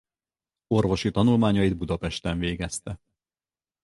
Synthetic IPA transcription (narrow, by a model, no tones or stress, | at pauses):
o̞rvo̞ʃit̪ɒnulmaːɲɒjid̪̚bud̪ɒpɛʃt̪ɛɱveːɡɛst̪ɛ